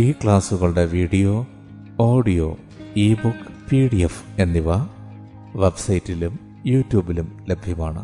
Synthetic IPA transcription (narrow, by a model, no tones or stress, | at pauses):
iːkɭaːsuɣɐɭɽe̞ʋiːɽijoː | oːɖijoː | iːbukːpiːɽiefe̞nːiʋɐ | ʋebsɐjitːilum | juːtːjuːbilumlebʱjɐmaːɳɨ̰